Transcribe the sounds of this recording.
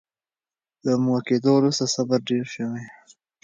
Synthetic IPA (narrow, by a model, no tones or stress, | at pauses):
d̪əmwaked̪olust̪asabaɾɖeɾʃəwe